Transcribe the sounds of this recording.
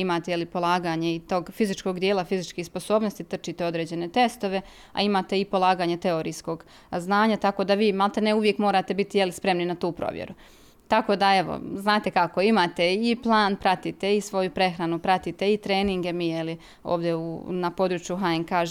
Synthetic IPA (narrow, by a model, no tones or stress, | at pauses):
imaːt̪ejelipo̞lˠaːɡaːɲeit̪oːɡfizit͡ʃko̞ɡd̪jeːlˠafizit͡ʃkiːxspo̞so̞ːbnost̪it̪r̩t͡ʃit̪eo̞d̪ɾe̞ːd͡ʑe̞ne̞t̪e̞st̪o̞ʋe̞ | a̰imaːt̪e̞ipo̞lˠaːɡaːɲet̪e̞o̞ɾiːsko̞ɡ | znaːɲat̪ako̞d̪aʋiːmalˠt̪eneuʋje̞kmo̞ːɾaːt̪e̞bit̪ijelispɾe̞mninat̪uːpɾo̰ʋjḛɾu | t̪ako̞d̪ae̞ʋo̰znaːt̪e̞kako̞imaːt̪e̞iplˠaːnpɾat̪it̪e̞isʋo̞jupɾe̞xɾanupɾat̪it̪e̞it̪ɾeːniŋɡe̞mijeli | o̰ːʋd̪jeunapo̞d̪ɾut͡ʃjuɦaenkaʒ